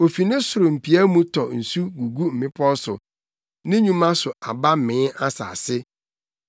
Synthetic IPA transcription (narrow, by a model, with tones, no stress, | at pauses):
o˨fi˨nɪ̃˦sʊ˨ɾʊ˨m̩˨pʰi˨æ˦mũ˦tʰɔ˨n̩˨su˦ɡu˨ɡu˦m̩˨ɪ̃˦pʰɔ˦sʊ̰˨ | nɪ̃˦ɲũ˦mã˦sʊ˨a˨ba˦mɪ̃˨˦ʔa˦sa̰˨sɪ˦